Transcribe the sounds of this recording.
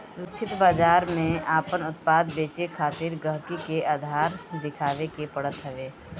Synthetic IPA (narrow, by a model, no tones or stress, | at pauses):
ʊtt͡ʃʰɪt̪baːd͡ʒaːɾmẽaːpənʊt̪̚paːd̪beːt͡ʃekʰaːt̪iɾɡəɦkikeaːd̪ʱaːɾd̪ɪkʰaːʋekepəɽət̪ɦɛʋeː